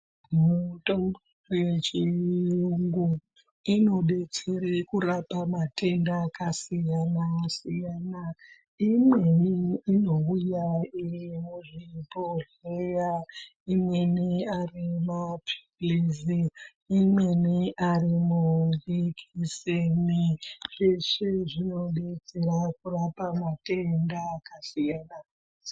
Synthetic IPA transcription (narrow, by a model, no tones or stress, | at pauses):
muto̞mbo | ret͡ʃijuŋɡu | ino̞ɗe̞t͡seɾekurapamatʰe̞ndakasijanasijaːna | imweniːnoujairimuʐipoɮ | eja | imweniarimapʰi̥ | liziː | mweniʔarimuɡikʰiseniʐeʂiʐino̞ɗed͡zeɾakurapamate̞ndakasijana